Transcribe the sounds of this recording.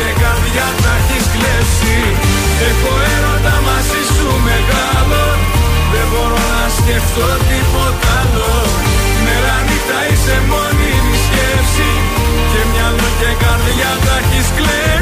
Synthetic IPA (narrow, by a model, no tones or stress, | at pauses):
ekɐɾðʝɐt̪ɐçisklepsi | exoeɾond̪ɐmɐsisume̞ɣɐlo | ðe̞bo̞ɾo̞nɐsceft̪o̞t̪ipo̞t̪ɐlo | me̞ɾɐnit̪ɐise̞monimiscepsi | ce̞mɲɐloʝekɐɾðʝɐt̪ɐçiskle